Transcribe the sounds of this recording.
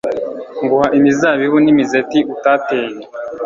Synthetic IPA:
ŋɡuhaʔimizaβiβunimizetiʔutaːteːɲe

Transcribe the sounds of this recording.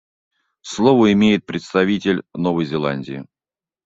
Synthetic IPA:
slˠovəɪmʲejɪt̪̚pɾʲɪt̪st̪ɐvʲitʲɪlʲnovəjzʲɪlˠanʲdʲɪː

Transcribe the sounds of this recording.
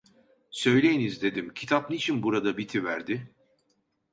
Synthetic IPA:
sø̞jlʲe̞jinizd̪e̞d̪imcʰi̥t̪ʰap̚nit͡ʃʰinbuɾad̪abit̪ʰivæɾd̪ɪ

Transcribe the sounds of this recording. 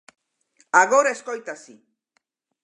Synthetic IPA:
aɣoɾaeskojt̪asi

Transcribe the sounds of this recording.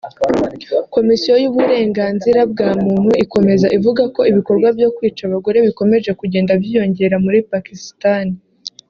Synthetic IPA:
ko̞misijo̞juβuɾe̞ːŋɡaːnziɾabɡaːmuːn̥huiko̞me̞zaʔivuɡako̞iβiko̞ɾɡwabjo̞kwiːt͡ʃaβaɡo̞ɾe̞βiko̞me̞ʒe̞kuɟe̞ːndabjijo̞ɲɟe̞ɾamuɾipakistani

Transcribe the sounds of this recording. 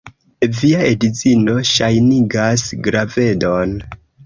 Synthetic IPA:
viaedizino̞ʃajniɡasɡɾave̞do̞n

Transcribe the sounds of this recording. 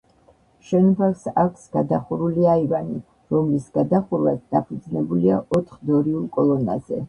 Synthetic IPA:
ʃɛnbaksakʷʰsɡ̥ad̪aχuɾuliaivani | ɾɔmlisɡ̥ad̪aχuɾwat̪d̪̥apʰud̪znɛbuliaʔɔt̪ʰχd̪ɔɾiulˠkʼɔlˠɔna̰zɛ̰

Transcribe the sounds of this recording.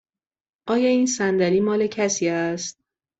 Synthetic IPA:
ʔɒːjɒːiːnsænd̪æliːmɒːle̞cʰæsiːæst̪̚

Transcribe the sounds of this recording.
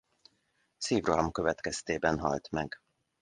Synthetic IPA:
siːvrɒmkø̞vɛt̪kɛst̪eːbɛnɦɒ̰lt̪mɛɡ

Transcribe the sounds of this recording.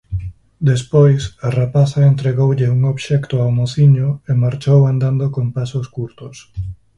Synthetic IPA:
d̪espojsarapaθaent̪ɾeɣowʎeuŋoβʃɛkt̪ʊawmoθiɲʊemaɾt͡ʃowand̪and̪okompasoskuɾt̪ʊs

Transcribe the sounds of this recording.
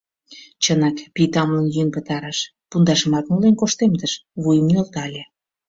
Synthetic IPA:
t͡ɕənɑkpit̪ɑmlənjynpə̆t̪ɑɾɑʃ | pund̪ɑʃə̆mɑt̪nulenkoʃt̪emd̪əʃβujəmnolt̪ɑlʲe

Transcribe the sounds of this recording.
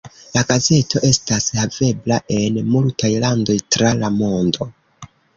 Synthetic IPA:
laɡaze̞to̞ʔe̞stashave̞blaʔe̞nmultajlando̞jtɾalamo̞ndo

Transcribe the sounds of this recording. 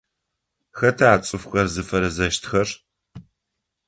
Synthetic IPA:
xɐtʰaːt͡sʼɨfxɐrzɨfɐɾɐzɐʃtʰxɐr

